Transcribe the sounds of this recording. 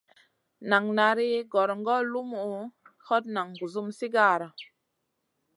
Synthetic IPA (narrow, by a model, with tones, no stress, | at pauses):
na˨ŋna˨ɾi˦ɡɔ˨ɾŋɡɔ˦lu˦mu˨hɔ˦t̚na˨ŋɡu˨zu˦msi˦ɡa˦˨ɾa˨